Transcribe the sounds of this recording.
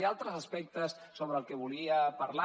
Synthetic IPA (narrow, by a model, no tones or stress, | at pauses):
ialˠt̪ɾəzəspɛk̚t̪əsːoβ̞ɾəːlˠkɛβuliəpaɾla